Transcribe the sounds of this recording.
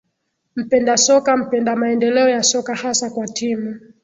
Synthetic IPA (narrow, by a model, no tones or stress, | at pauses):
m̩pɛndasɔkam̩pɛndamaɛndɛlɛɔjasɔkahasakwatimu